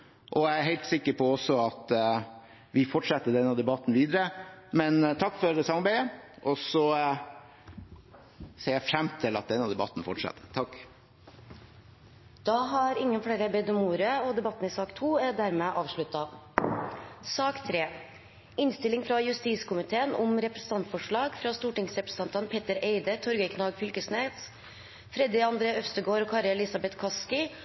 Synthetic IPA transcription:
ʔɔæɪæɾɦæɪlt̪sɪkːəɾpʰɔɔsɔɑt̪ | ʋɪfɔʈʂɛt̪ːəɖ̪ɛnːɑd̪ɛbɑt̪ːn̩ʋiːd̪əɾəmɛnt̪ʰɑkːfɔɾsɑmɑɾbæɪəʔɔsɔ | seːæfɾɛmt̪ʰɪlɑt̪̚d̪ɛnːɑd̪ɛbɑ̰t̪ːn̩fɔʈʂɛ̰t̪ːət̪ʰɑkː | d̪̥ɑɦɑɾɪŋːənfɽeːɾəbɛd̪əmuːɾəəɔd̪ɛbɑt̪ːn̩ɪsɑːkt̪ʰuːæɖæɾmeʔɑːʋʂɭʉt̪ːɑ | sɑːkt̪ʰɾeː | ɪnst̪ɪlɪŋfɾɑjʉst̪iːskʊmɪt̪ʰeːənʊmɾɛpɾəsən̩t̪ʰɑnt̪fɔʂɭɑːɡfɾɑːst̪uːʈɪŋsɾɛpɾəs̩t̪ɑnt̪ɑnpʰeːt̪əɾeɪd̪ət̪ʰɔɾɡəkʰnɑːɡfʏlkəsnet̪s | fɾɛd̪ɪɑnd̪ɾeːœst̪əɡoːɾɔːkʰɑːɾəlɪsɑbɛt̪kʰɑskɪ

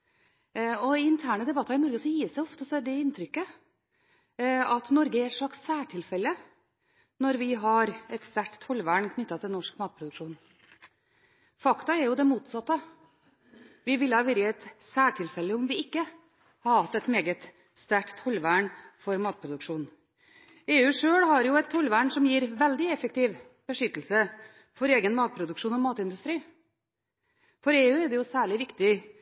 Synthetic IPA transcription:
ɔiɪnt̪ʰæːɳəd̪ɛbɑt̪ːɑɾɪnɔɾɡəsɔjiːsæɪɔft̪əsɔɛɖ̪ɛɪnt̪ʰɾʏkːə | ɑt̪nɔɾɡəæɾɛt̪ʂɭɑksːæːʈʰɪlfɛlːə | nɔɾʋɪɦɑɾɛt̪st̪æʈt̪ʰːɔlːʋæːɳkʰnʏt̪ːɑt̪ʰɪlnɔʂkmɑːt̪̚pʰɾʊd̪ʉkʂuːn | fɑkt̪ɑɛɾjʊd̪ɛmuːt̪sɑt̪ːə | ʋɪʋɪlːəhɑːʋɪɾjəɛt̪sæːʈʰɪlfɛlːəɔmʋɪɪkːə | hɑɾhɑt̪ːɛt̪meːɡət̪ | st̪æʈt̪ʰːɔlːʋæɳfɔɾmɑːt̪̚pʰɾʊd̪ʉkʂuːn | eːʉːʂøːɽɦɑɾjʊɛt̪ʰːɔlʋæɳsɔmjiːɾʋɛld̪ɪɛfək̚t̪ɪːʋ | b̥əʂʏt̪ːl̩sə | fɔɾeːɡənmɑːt̪̚pʰɾʊd̪ʉkʂuːnɔmɑːt̪ɪnd̪ʉst̪ɾiː | fɔɾeːʉːɛɾd̪ɛjʊsæːɭɪʋɪkt̪ɪ

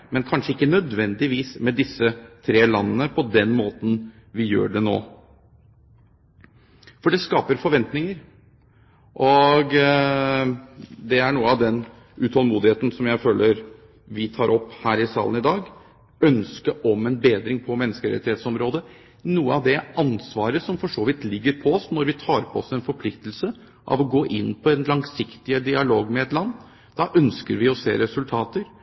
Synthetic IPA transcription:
mɛnkʰɑnʂəɪkːənœd̪ʋɛnd̪ɪʋiːsmɛd̪ɪsːət̪ʰɾeːlɑnːənəpʰɔd̪ɛnmoːt̪n̩ʋɪjø̰ːɖɛno̰ː | fɔɖɛskɑːpəɾfɔɾʋɛnt̪nɪŋəɾ | ʔɔɡ | d̪ɛæɳuːəɑʋd̪ɛn | ʉt̪ʰɔlmuːd̪ɪheːt̪n̩sɔmjæɪføːləɾ | ʋɪt̪ʰɑːɾʔɔpːhæːɾɪsɑ̰ːlənɪd̪ɑːɡ | œnskəʔɔmɛnbeːd̪ɾɪŋpʰɔmɛnːəskəɾɛ̰t̪ɪheːt̪sɔmɾoːd̪ə | nuːəɑʋd̪ɛʔɑnsʋɑːɾəsɔmfɔʂoːʋɪt̪lɪɡːəɾpʰɔɔsnɔɾʋɪt̪ʰɑːɾpʰɔɔsɛnfɔɾpʰlɪkt̪lsə | ʔɑ̰ʋɔɡoːʔɪnːpʰɔɛnlɑŋsɪkt̪ɪəd̪ɪɑloːɡmɛɛt̪lɑnː | d̪ɑʔœnskəɾʋɪɔsḛːɾɛsʉlt̪ʰɑːt̪əɾ

